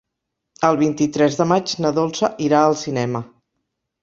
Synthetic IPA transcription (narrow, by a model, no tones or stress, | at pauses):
əlˠβint̪it̪ɾɛzðəmad͡ʒnəðolˠsəʔiɾaəlˠsinɛmə